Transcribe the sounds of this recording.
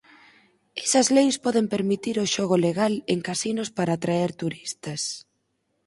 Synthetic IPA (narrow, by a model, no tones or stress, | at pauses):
ɛsɐzlejspɔðempeɾmit̪iɾʊʃɔɣʊleɣaleŋkasinospaɾaːt̪ɾaɛɾt̪uɾist̪ɐs